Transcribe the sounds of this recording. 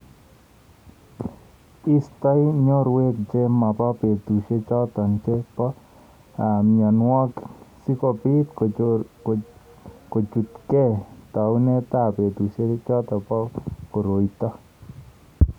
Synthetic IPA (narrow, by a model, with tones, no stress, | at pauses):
i˦st̪a˦jɲo˦ɾwe˦k̚d͡ʒe˦ma˨pɔ˦pe˨t̪u˨ʃe˦t͡ʃɔ˦t̪ɔ˨nt͡ʃe˦pɔ˦ | a˨mja˨nwɔ˦ksi˦kɔ˨pi˦t̪ | ko˨d͡ʒu˨t̪kɛ˦t̪a˨u˦ne˦t̪a˦pe˨d̪u˨ʃe˦t͡ʃɔ˦t̪ɔ˨pɔ˦ko˨ɾo˨it̪ɔ˦